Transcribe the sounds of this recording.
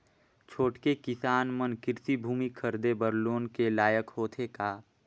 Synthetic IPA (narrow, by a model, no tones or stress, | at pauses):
t͡ʃʰoːʈkekɪsaːnmənkɪɾtibʱuːmikʰəɾd̪ebəɾloːnkelaːjəkhoːt̪ʰekaː